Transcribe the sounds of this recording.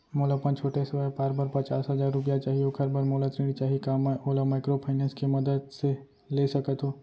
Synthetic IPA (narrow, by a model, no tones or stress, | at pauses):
moːləpə̃nt͡ʃʰoːʈesɐwəpaːɾbəɾpɐt͡ʃaːsɦɐzaːɾːʊp̬jat͡ʃaːɦiokʰɐɾbʱəɾmoːlat̪ɾĩːɽit͡ʃaːɦikaːmɛʔoːlamaːɪkɾopʰaːɪnɛ̃ːnskemɐd̪əd̪se | leːsɐkət̪ɦoː